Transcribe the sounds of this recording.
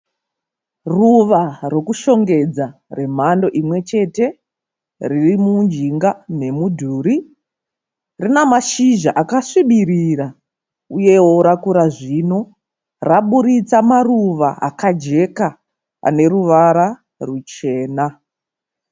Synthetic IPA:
ruʋaro̞kuʃo̞ŋɡe̞d͡zare̞m̤ando̞ʔimwe̞t͡ʃe̞te̞ | ririmund͡ʒiŋɡane̞mudʱuːɾi | rinamaʃiʒaʔakaʂiɓirira | uje̞woɾakuɾaʐino̞ | raɓuɾit͡samaruʋaʔa̰kad͡ʒe̞ka | a̰ne̞ɾuʋaɾa | rut͡ʃe̞ːna

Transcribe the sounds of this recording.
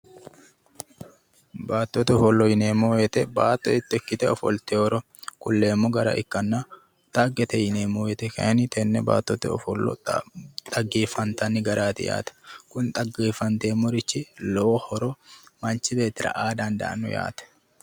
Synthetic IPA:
baːt̪ːɔt̪ɛɔfɔlːɔjɪneːmojɛt̪ɛbaːt̪ːɔɪt̪ːɛkːɪt̪ɛɔfɔ̰lt̪ɛɔɾɔ | kʊlːe̞ːmːɔɡɐɾɐ̰ʔɪ̰kːɐnːa | t̪ɐɡːɛt̪ɛjɪneːmoːjɛt̪ɛkɐ̰ʔɐnɪt̪ɛnːɛba̰ːt̪ːɔt̪ɛ̰ɔ̰fɔlːɔ̰t̪ʼɐɡeːfɐnt̪ɐnːɪɡɐɾaːt̪ɪ̰ja̰ːt̪ɐ̥kʊnt̪ʼɐɡeːfɐnt̪eːmːɔɾɪt͡ʃːɪlɔhɔɾɔmɐnt͡ʃːɪbe̞ːt̪ːɪɾɐ̰ʔaːd̪ɐnd̪ɐ̰ʔɐ̰nːɔ̰ja̰ːt̪ɛ̥

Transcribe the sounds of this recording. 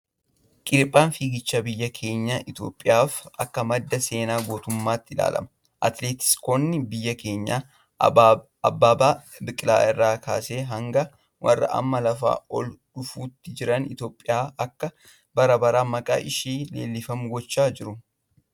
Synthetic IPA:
kʼɪɾpʼːaːnfiːɡɪt͡ʃːɐbɪjːɐkʰe̞ːɲːɐʔɪt̪jo̞̰ːpʼːɪjaːfɐkːɐmɐd̪ːɐse̞ːnaːɡoːt̪ʊmːaːt̪ːɪla̰ːlɐ̰mɐ | ʔɐt̪leːt̪ɪ̥skonːɪbɪjːɐke̞ːɲːaː | ɐbːaːbaː | bɪkʼɪla̰ːʔɪrːaːkʰa̰ːse̞ːɦɐŋɡɐ | wʔɐ̰rːɐ̰ʔɐ̰mːɐlɐfa̰ːɔlᶑʊfuːt̪ːɪd͡ʒɪɾɐnɪt̪jo̞ːpʼːɪjaːɐkːɐ | bɐɾɐbɐɾaːmɐkʼa̰ːʔɪʃiːle̞̰ːlːɪfɐmʊɡɔt͡ʃːaːd͡ʒɪɾʊ

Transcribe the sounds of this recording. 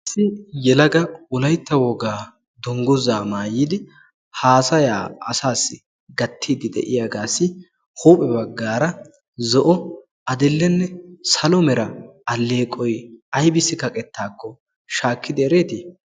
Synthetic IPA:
ɪsɪjɛlɐɡɐʊlɐjt̪ːɐwɔɡaː | d̪ɔŋɡʊzaːmaːjiːd̪ɪ | haːsɐja̰ːɐ̰saːsːɪ | ɡɐt̪ʰːiːd̪ɪd̪ɛ̰ʔɪjaɡaːsːɪ | huːpʼɛbɐɡːaːɾɐ | zɔʔɔ | ʔɐd̪ɛlːɛnːɛsɐlɔmɛɾɐɐlːeːkʼɔjɐjbɪsːɪkɐkʼɛt̪ːaːkːɔ | ʃaːkːɪd̪ɛɛɾe̞ːt̪i

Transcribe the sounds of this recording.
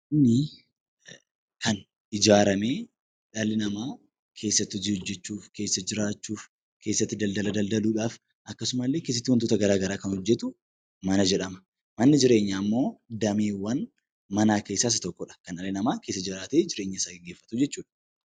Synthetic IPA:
ʔɪnːɪ | kɐn | ɪd͡ʒaːɾɐme̞ː | ᶑɐlɪnɐmaː | kʰe̞ːsːɐt̪ːɪɔd͡ʒɪhɔd͡ʒːɛt͡ʃːuːfke̞ːsːɐd͡ʒɪɾaːt͡ʃːuːf | kʰe̞ːsːɐt̪ːɪd̪ɐld̪ɐlɐd̪ɐld̪ɐluːᶑaːf | ʔɐkːɐsʊmɐlːe̞ːkeːs̬ːɐt̪ːɪwɐnt̪oːt̪ɐɡɐɾaːɡɐɾaːkɐnhɔd͡ʒːɛt̪ʊ | mɐnɐd͡ʒɛᶑɐmɐ̥ | mɐnːɪd͡ʒɪɾe̞ːɲːaːmːo̞ːd̪ɐmeːwɐn | mɐnaːke̞ːsːaːs̬ɐt̪ɔkːɔᶑɐ̥kɐnɐlːɪnɐmaːke̞ːsːɐd͡ʒɪɾaːt̪eːd͡ʒɪɾe̞ːɲːɐɪsaːɡɛɡːeːfːɐt̪ʊd͡ʒɛt͡ʃːuːᶑɐ̥

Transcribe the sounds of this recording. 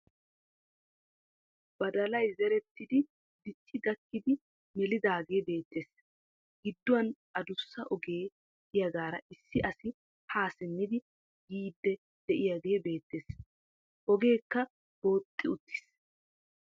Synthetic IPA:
b̥ɐd̪ɐlɐjzɛɾɛt̪ːɪd̪ɪ | d̪ɪt͡ʃːɪɡɐkːɪd̪ɪ | mɛlɪd̪aːɡe̞ːbe̞ːt̪ːeːs | ɡɪd̪ːʊwɐnʔɐd̪ʊsːɐʔɔɡe̥ː | ɪjɐɡaːɾɐʔɪsːɪʔɐsɪ | haːsɪnːɪd̪ɪ | ɡiːd̪ːɛ | d̪̥ɛʔɪjaɡe̞ːbe̞ːt̪ːeːs | ʔɔɡe̞ːkːɐ | b̥o̞ːt̪ʼːɪʊt̪ʰːɪ̥s

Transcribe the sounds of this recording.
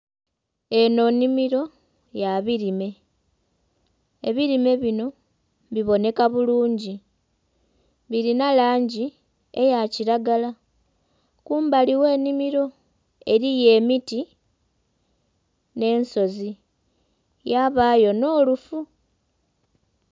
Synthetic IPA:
e̞no̞nimiɾo̞ | jaβiɾime̞ | eβiɾime̞βino̞ | βiβo̞ne̞kaβuluːɲɟi | βiɾinalaːɲɟi | e̞̰jaciɾaɡala | kuːmbaliwe̞ːnimiɾo̞ | e̞ɾije̞ːmiti | ne̞ːnso̞zi | jaβajo̞no̞ːlufu

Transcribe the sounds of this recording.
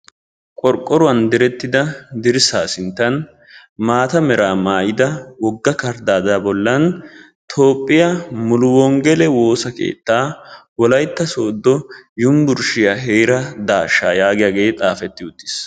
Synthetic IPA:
kʼɔɾkʼːɔɾʊɐnd̪ɪɾɛt̪ːɪd̪ɐd̪ɪɾsaːsɪnt̪ːɐn | maːt̪ɐmɛɾaːmaːjɪd̪ɐwɔɡːɐkɐɾd̪aːd̪aːbɔlːɐn | t̪ʰo̞ːpʼːɪjɐmʊlʊwɔŋɡɛlɛwo̞ːsɐkḛːt̪ːaːwɔlɐjt̪ːɐsoːd̪ːɔjʊmbʊɾʃɪjaɦejɾɐd̪aːʃːaːjaːɡɪjaɡe̞ːt̪ʼaːfɛt̪ːɪʊt̪ːɪ̥s

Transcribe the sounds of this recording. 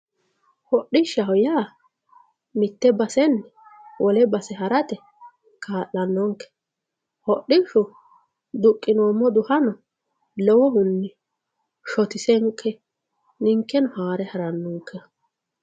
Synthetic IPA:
hɔʔɪʃɐhɔjaː | mɪt̪ːɛbɐsɛnːɛwɔlɛbɐsɛɦɐɾɐt̪ɛ | kʰaːʔːɐnːɔŋkːɛ̥ | hɔɗɪʃʊ | d̪ʊkʼːɪnoːmːɔd̪ʊhɐnɔ | lɛwɔhʊnːɪ | ʃɔt̪ɪsɛŋkʰːɛ | nɪŋkːɛnʊhaːɾɛhɐɾɐnːɔŋkʰːɛ

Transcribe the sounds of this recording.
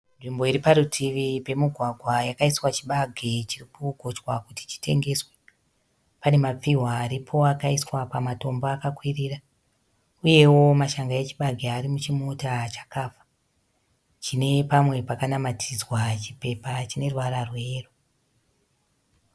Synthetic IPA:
nʐimbo̞iɾipaɾutʰiʋipe̞muɡʱwaɡʱwajakaiswat͡ʃiɓaɡʱet͡ʃirikuɡʱo̞t͡ʃwakuti̥t͡ʃi̥tʰe̞̰ŋɡe̞swe | pane̞map͡fiɦwaːɾipʰo̞akaiswapamato̞mboakakwirira | uje̞wo̞maʃaŋɡaje̞t͡ʃi̥ɓaɡʱeaɾimut͡ʃimotat͡ʃḁkaːfḁ | t͡ʃine̞pamwe̞pakanamatʰid͡zwat͡ʃipe̞pat͡ʃine̞rwaɾarwe̞ːro

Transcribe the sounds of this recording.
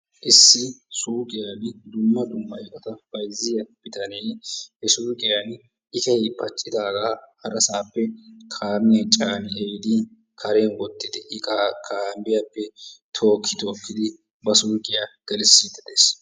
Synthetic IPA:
ʔɪsːɪsuːkʼɪjaːɡɪd̪ʊmːɐd̪ʊmːɐjɛʔɔt̪ɐb̥ɐjzːɪjɐb̥ɪt̪ɐnɛːhɛsuːkʼɪjɐn | ʔɪtɐjpʰɐt͡ʃʼːɪd̪aːɡaːhɐɾɐsaːpːɛkʰaːmɪjɐnt͡ʃʼaːmɪʔɛjd̪ɪ | kʰɐɾenwɔt̪ːɪd̪ɛʔɪakʰaːmbɪjapːɛt̪ʰoːkʰːɪt̪o̞ːkːɪd̪ɪ | bɐsuːkʼɪjaɡ̥ɛlɪsːiːd̪ɪd̪eːs

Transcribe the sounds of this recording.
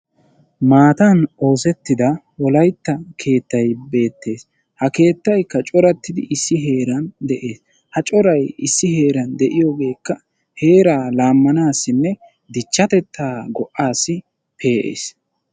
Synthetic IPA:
maːt̪ɐno̞ːsɛt̪ːɪd̪ɐ | wɔlɐjt̪ːɐkʰe̞ːt̪ːɐjbe̞ːt̪ːe̞ːs | hɐke̞ːt̪ːɐjkːɐt͡ʃʼɔɾɐt̪ːɪd̪ɪ̰ʔɪsːɪɦe̞ːɾɐnd̪ɛʔe̞ːs | hɐt͡ʃʼɔɾɐjɪsːɪhe̞ːɾɐnd̪ɛʔɪjo̞ːɡe̞ːkːɐ | he̞ːɾaːlaːmːɐnaːsːɪnːɛ | d̪ɪt͡ʃːɐt̪ɛt̪ʰːaːɡɔʔːaːsːɪ | pʰe̞ːʔḛːs

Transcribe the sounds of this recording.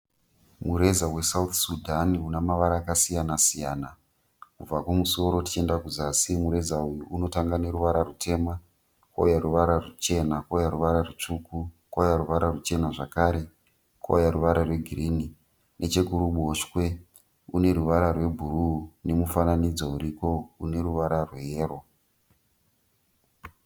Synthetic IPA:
muɾe̞zawe̞saut̪sudʱaniunamaʋaɾaːkasijanasijaːna | kub͡vakwomuso̞ɾo̞ti̥t͡ʃe̞ndakuzasimuɾe̞zaujuʔuno̞taŋɡane̞ɾuʋaɾarutʰe̞ːma | ko̰jaruʋaɾarut͡ʃe̞nakojaruʋaɾaret͡ʂuku | kojaruʋaɾarut͡ʃe̞naʐakaɾe̞ | ko̰jaɾuʋaɾarwe̞ɡʱiriːni | nʔe̞t͡ʃe̞kuɾuɓoʃkwe̞ | une̞ɾuʋaɾarwe̞bʱurune̞mufananid͡zauɾiko̞une̞ɾuʋaɾarwe̞ɦeːro̞

